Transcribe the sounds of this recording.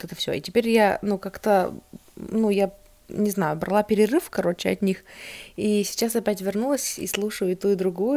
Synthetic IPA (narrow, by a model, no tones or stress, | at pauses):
ot̪ɛt̪ə̥fsʲɵo̰ḭtʲɪpʲeɾʲjanukakt̪ə | nuja | nʲɪznajʊbɾɐlˠapʲɪɾʲɪrɨfkɐɾo̞t͡ɕɪɐ̰t̪ʲnʲixisʲɪ̥t͡ɕasɐpʲætʲvʲɪrnulˠəsʲḭslˠuʂəjʊɪt̪uɪd̪ɾʊɡujʊ